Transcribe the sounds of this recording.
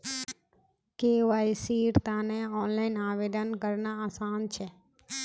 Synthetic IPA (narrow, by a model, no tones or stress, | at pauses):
keːʋaːisiːɾt̪aːneɔːnlaːɪnaːʋeːd̪ənkəɾnaaːsaːnt͡ʃʰeː